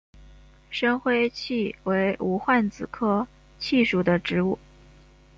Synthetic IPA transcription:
ʂə˥ŋxwe˥ɪt͡ɕʰi˥˩we˧˥ɪu˧˥xwa˥˩nt͡sɹ̩˨˩kʰɤ˥ | t͡ɕʰi˥˩ʂu˨˩d̪ə˦ʈ͡ʂɻ̩˧˥u˥˩

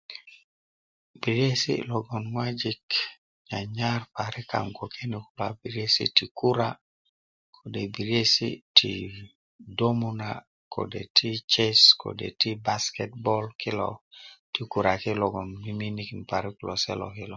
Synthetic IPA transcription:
bi˨ɾe˦sḭ˦lɔ˨ɡɔ˨nŋwad͡ʒik | ɲa˨ɲa˦ɾpa˨ɾi˦ka̰˨ŋɡo˨kʰe˦ni˨kula˨bi˨ɾe˦sḭ˦ti˨ku˦ɾa | kʰo˨de˨bi˨ɾje˦sḭ˦tʰḭ | do˦mu˦na˨ | kʰo̰˨dḛ˨tʰi˦t͡ʃe˦sko̰˨dḛ˨ti˦ba˦skɛt̚bɔlki˦lɔ̰ti˦ku˨ɾa˨ki˦lɔ˨ɡɔ˨nmi˦mi˦niki˨npa˨ɾi˦ku˨lɔ˨sɛ̰˦lɔ̰˨ki˦lɔ˨

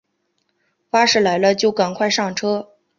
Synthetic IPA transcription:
fa˥ʂɻ̩˥˩la˧˥ɪlə˧t͡ɕjo˥˩ʊka˨˩nkʰwa˥˧ɪʂɑ˥˩ŋʈ͡ʂʰɤ˥

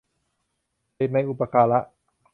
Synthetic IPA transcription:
e˨˩na˧jʔu˨˩pa˧kʰaː˧la˦˥ʔ

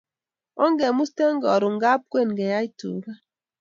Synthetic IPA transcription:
ɔ˦ŋ˦ɡɛ˨mu˦ste˦ŋ˦ɡɔ˨ɾu˨ŋ̩˨˦ɡa˦p̚kwe˦˨n˨ɡɛ˨ja˦i˦tṵ˨ɡa˦

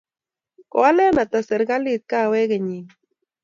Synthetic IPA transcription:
ko˨a˦le˦na˨t̪a˨se˨ɾɡa˦li˦t̪̚ka˦we˦ɣeɲi˨

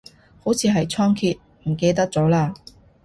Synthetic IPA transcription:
ho˨˥wt͡sʰiː˨˧ɦɐ˨jt͡ʃʰɔː˥ŋkʰiː˧t̚ | m̩˨˩ke˧jt̪ɐ˥k̚t͡sɔː˨˥laː˧

